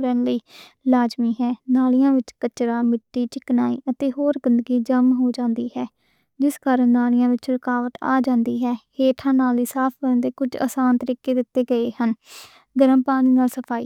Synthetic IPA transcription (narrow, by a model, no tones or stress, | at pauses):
ɾəːnləiː | laːd͡ʒmiːɦɛːnaːlɪjãːʋɪt͡ʃkət͡ʃɾaːmɪʈːiːt͡ʃɪknaːiːʔət̪eːɦoːɾɡɪnd̪əɡiːd͡ʒəmɦoːd͡ʒãːnd̪iːɦɛː | d͡ʒɪskaːɾənnaːɽɪjãːʋɪt͡ʃɾəkaːʋət̪a̰ːd͡ʒãːnd̪iːɦɛːheːʈʰãːnaːliːsaːpʰbəɾənd̪eːkʊd͡ʒə̰saːnt̪əɾiːkeːd̪ɪt̪ːeːɡəeːhən | ɡəɾəmpaːñiːnaːlsəpʰaːiː